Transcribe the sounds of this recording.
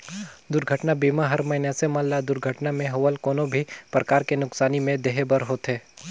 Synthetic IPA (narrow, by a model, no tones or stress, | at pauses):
d̪ʊɾɡʱəʈnabiːmaɦɐɾmɐɪnɛsemãːllad̪ʊɾɡʱəʈnamẽɦɐwəlkoːnõbʱipɾəkaːɾkenʊksaːnimẽd̪eɦebəɾɦoːt̪ɦeː